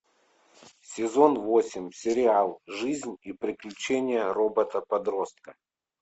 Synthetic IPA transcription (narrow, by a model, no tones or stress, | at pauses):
sʲɪzo̞nvo̞sʲɪmʲsʲɪɾʲɪalˠʐɨzʲnʲipɾʲɪklʲʉt͡ɕenʲɪjərobət̪əpɐd̪ɾost̪̚kə